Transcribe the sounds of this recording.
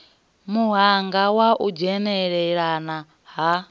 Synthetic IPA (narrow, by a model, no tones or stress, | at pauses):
muɦaŋɡawaʔud͡ʒɛnɛɺɛɺana | ɦa